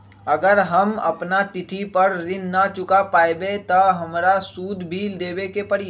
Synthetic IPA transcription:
ɐɡəɾɦɐmɐ̰pnat̪ɪt̪ʰipəɾɾɪnːat͡ʃʊkapaːebet̪ɐɦɐmɾasuːd̪ʱbʱiːld̪eːbekepɐɾɪ

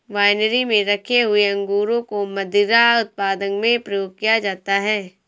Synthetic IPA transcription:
ʋaːɪnəɾimẽɾɐkʰeɦʊeɐ̃ŋɡuːɾõkomɐd̪ɪɾaʊt̪̚paːd̪ənmẽpɾɐjoːɡ̚kijad͡ʒaːt̪aɦɛː

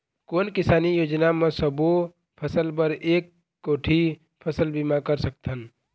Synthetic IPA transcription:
koːnkɪsaːnijoːd͡ʒnamẽsəbo | pʰəsəlpəɾeːkː | oːʈʰi | pʰəsəlbimakəɾsəkt̪ən

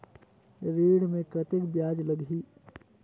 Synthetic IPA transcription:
ɾiːɽmẽkɾət̪ɪkbjaːd͡ʒləɡʱiː

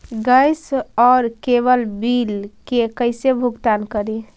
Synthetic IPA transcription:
ɡəjsɔːɾkebəlbilkekəɪsebʱuɡt̪ankəɾi

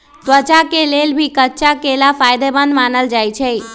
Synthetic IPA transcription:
t̪ʋət͡ʃakelelbʱikətːt͡ʃakelafajd̪ebənd̪manəld͡ʒajt͡ʃʰɛ

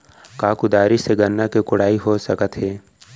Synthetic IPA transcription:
kaːkʊd̪aːɾiseɡənːakekʊɽ̤aːiɦosəkət̪ɦɛː

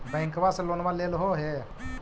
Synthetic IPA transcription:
bə̃ŋkbasə̃lonbalelɦoɦe

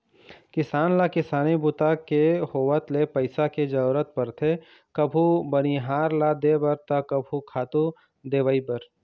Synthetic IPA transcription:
kɪsaːnlakɪsaːnibʊt̪akehoːʋət̪lepəɪsaked͡ʒəuɾət̪̚pəɾt̪ʰe | kɐbʱubəñiɦaːɾlad̪ebəɾt̪ɐkɐbʱukʰaːt̪u | d̪eːʋaːibəɾ

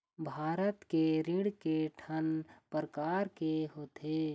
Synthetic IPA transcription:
bʱaːɾət̪keɾɪɽkeʈʰənpəɾəkaːɾkeɦoːt̪eː

